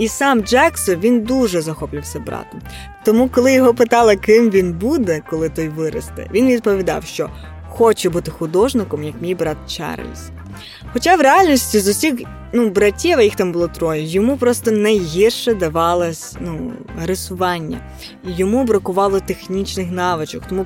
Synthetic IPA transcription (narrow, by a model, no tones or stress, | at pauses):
isɑmd͡ʒɛksɔnʋʲind̪uʒɛzɐxɔplʲʊwsʲɐbɾɑ̰t̪ɐm | t̪ɔmukɔlˠɪjɔɦɔpɪt̪ɑlˠɐkɪmʋʲinbud̪ɛkɔlˠɪt̪ɔjʋɪɾɐ̰st̪ɛ̰ʋʲinʋʲid̪̚pɔʋʲid̪ɑ̰wʃt͡ʃɔ | xɔt͡ʃɛbut̪ɪxʊd̪ɔʒnɪkɔmjɐkmʲijbɾɑt̪̚t͡ʃɛ̰r̰lʲs | xɔt͡ʃɑʋɾeɑlʲnʲisʲtʲizʊsʲix | nubɾɐtʲːiʋɐjixt̪ɑmbʊlˠɔt̪ɾɔjɛjɔmupɾɔst̪ɔnɐjɦʲirʃɛd̪ɐʋɑlˠɐsʲnuɐɾesʊʋɑnʲːɐ̰ | ijɔmubɾɐkʊʋɑlˠɔt̪exnʲit͡ʃnɪxnɑʋɪt͡ʃɔkt̪ɔmu